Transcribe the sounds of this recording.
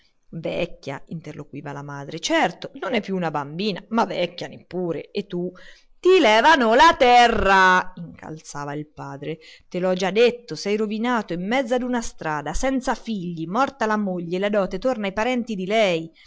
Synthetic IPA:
vɛkʲːja̰int̪erːokwiːvalamaːd̪ɾet͡ʃɛrt̪ononɛpːjuːnabambiːnamavːɛkːanepːuːɾḛet̪ːu | t̪ilɛːvanolat̪ɛrːaiŋkʰa̰lt̪saːvailpaːd̪ɾe | t̪elɔd͡ʒad̪ːet̪ːosɛjɾovinaːt̪oimːɛd̪zːad̪unast̪ɾaːd̪asɛnt̪safiʎːimɔrt̪alamoʎːelad̪ɔːt̪et̪ornajpaɾɛnt̪id̪ilɛj

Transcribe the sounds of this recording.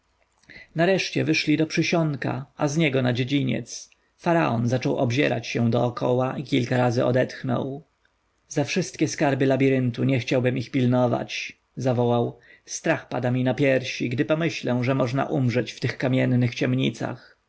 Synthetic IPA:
naɾɛʂt͡ɕɛvɘʂlʲid̪ɔpʂɘɕɔŋka̰ʔazɲɛɡɔnad͡ʑed͡ʑiɲɛ̰t̪s | faɾa̰ʔɔnzat͡ʂɔwʔɔbʑɛ̰ɾa̰t͡ɕɕɛ̃d̪ɔːkʰɔ̰waʔikʲilkaɾazɘɔ̰d̪ɛt̪xnɔ̰w | zafʂɘst̪̚kʲɛskaɾbɘlabʲiɾɘnt̪uɲɛxt͡ɕawbɘmixpʲilnɔva̰t͡ɕ | zavɔwawst̪ɾaxpad̪amʲinapʲjɛɾɕiɡd̪ɘpɔmɘɕlɛ̃ʐɛmɔʐna̰ʔumʐɛt͡ɕft̪ɘxkamʲjɛnːɘxt͡ɕɛmɲit̪sa̰x

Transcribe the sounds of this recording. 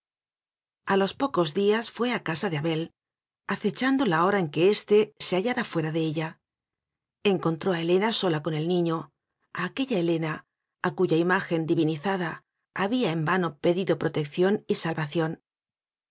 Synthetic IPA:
alo̞spo̞ko̞zðiasfwe̞akasaðeaβe̞l | aθe̞t͡ʃand̪o̞lao̞ɾaeŋke̞est̪e̞se̞aʝaɾafwe̞ɾaðe̞eʎa | e̞ŋko̞nt̪ɾo̞ae̞le̞naso̞lako̞ne̞lnĩɲo̞ | aːke̞ʎae̞le̞na | akuʝaimaxe̞nd̪iβiniθaðaː | βiae̞mbano̞pe̞ðiðo̞pɾo̞t̪e̞kθjo̞nisalβaθjo̞n

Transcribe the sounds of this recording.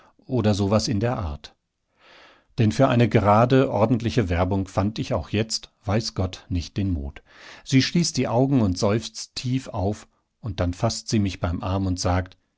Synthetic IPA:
ʔoːdɐzoːvasɪndeːɐʔaɐt | d̥ɛnfyːɐʔa̰ɪnəɡəʁaːdəʔɔɐdn̩tlɪçəvɛɐbʊŋfantɪçaʊxjɛt͡stv̥aɪsɡ̥ɔtnɪçt̚d̥eːnmṵːt | z̥iːʃliːstd̥iːʔaʊɡŋ̩ʊntz̥ɔʏft͡stʰiːfa̰ʊf | ʔʊnt̚d̥anfastz̥iːmɪçb̥aɪmʔaɐmʊntz̥aːkt

